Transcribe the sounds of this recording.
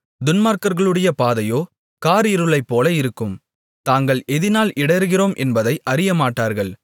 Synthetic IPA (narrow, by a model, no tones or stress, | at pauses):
d̪ʊnmaːɾkɐɾɣɐɭɯɽɐjɐpaːðɐjoː | kaːɾɪɾɯɭɐɪpːoːlɐɪɾɯkːɯm | t̪aːŋɡɐɭʔɛðɪnaːlʔɪɽɐɾɣɪroːmʔɛnbɐðɐɪʔɐɾɪjɐmaːʈːaːɾɣɐɭ